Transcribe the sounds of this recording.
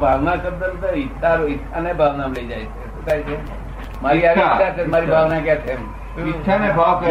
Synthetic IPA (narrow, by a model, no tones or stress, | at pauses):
bʱaʋnakəbd̪əld̪əitːaɾoitʰanebʱaʋnamləid͡ʒajt͡ʃʰeʃũkajt͡ʃʰe | maɾiaʋit̪at͡ʃʰemaɾibʱaʋnakjat͡ʃʰem | t͡ʃʰanebʱa